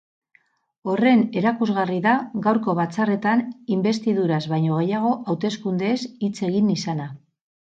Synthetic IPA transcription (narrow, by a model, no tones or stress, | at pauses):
o̞re̞ne̞ɾakuzɣariðaɣawɾko̞β̞at͡sare̞t̪animbe̞st̪iðuɾazβajɲo̞ɣ̞e̞jaɣ̞o̞ʔawt̪e̞skund̪e̞sit͡se̞ɣinisana